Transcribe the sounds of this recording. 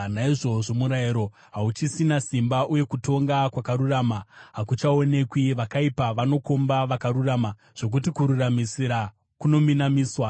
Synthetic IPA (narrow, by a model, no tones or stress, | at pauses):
naiʐo̞ʐo̞muɾaiɾo̞ | ɦaut͡ʃisinasimbaʔuje̞kuto̞ŋɡakwakaɾuraːmaɦakut͡ʃao̞ne̞kwiʋakaipaʋano̞ko̞mbaʋakaɾuraːma | ʐ̥o̞k̬utikuɾuramisiɾa | kuno̞minamiːswa